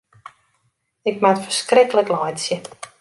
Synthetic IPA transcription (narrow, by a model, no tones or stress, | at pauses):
ɪkmatfərskrɪkələklɔjtsjə